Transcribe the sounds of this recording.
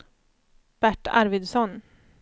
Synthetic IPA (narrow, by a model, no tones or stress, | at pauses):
b̥æʈːa̰ɾvɪd̪sɔn